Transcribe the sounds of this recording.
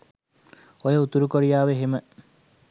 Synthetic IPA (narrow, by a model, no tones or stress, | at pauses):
ojɐut̪uɾukoɾijaːʋeɦemə